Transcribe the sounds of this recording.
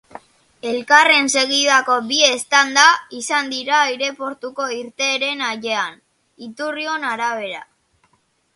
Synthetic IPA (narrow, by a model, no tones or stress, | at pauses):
e̞lkare̞nse̞ɣiðako̞bie̞st̪and̪aisand̪iɾaiɾe̞po̞ɾt̪uko̞iɾt̪e̞ːɾe̞naʝe̞an | it̪urio̞naɾaβ̞e̞ɾa